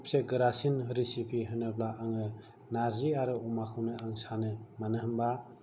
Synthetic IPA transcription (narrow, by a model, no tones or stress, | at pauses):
pseɡɯɾasinɾisipʰiɦɯnɯblaaŋɯ | naɾziaɾɯɔmakʰɯwnɯaŋsanɯmanɯɦɯmba